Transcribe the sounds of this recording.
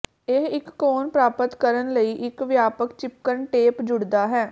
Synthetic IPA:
eɪkːoːnpɾaːpət̪kəɾənləiːʔɪkʋjaːpəkt͡ʃɪp̚kəɾɳʈeːpd͡ʒʊɽd̪aːɦɛː

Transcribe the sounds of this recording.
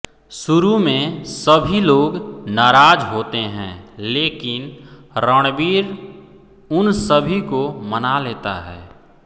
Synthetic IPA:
sʊɾumẽsəbʱiloːɡnaːɾaːd͡ʒɦoːt̪eɦɛ̰̃leːkɪnɾəɽ̃biːɾ | ʊnsəbʱikomənaleːt̪a̰ɦɛ̰ː

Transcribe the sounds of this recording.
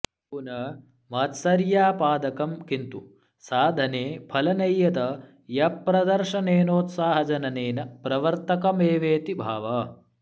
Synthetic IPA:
punɐ | mɐːt̪sɐɾjaːpaːd̪ɐkɐmkint̪u | saːd̪ʱɐneːpʰɐlɐnɐjːɐt̪ɐ | jɐpːɾɐd̪ɐɾʃɐneːnoːt̪saːɦɐd͡ʒɐnɐneːnɐpɾɐʋɐɾt̪ɐkɐmeːʋeːt̪ibʱaːʋɐ

